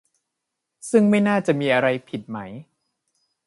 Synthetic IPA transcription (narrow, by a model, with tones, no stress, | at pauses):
sɯ˥˩ŋma˥˩jnaː˥˩t͡ɕa˨˩ʔmiː˧ʔa˧ɾa˧jpʰi˨˩t̪̚ma˦˥j